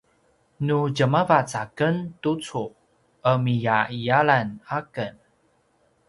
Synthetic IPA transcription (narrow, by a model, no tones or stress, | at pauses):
nuɟəmavat͡sakəntut͡su | əmijaijaɭanakən